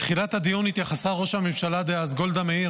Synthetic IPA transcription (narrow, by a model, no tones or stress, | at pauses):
t̪χilat̪had̪ijunit̪jaχasaʁo̞ʃhamivʃalad̪eazɡo̞ld̪ameiʁ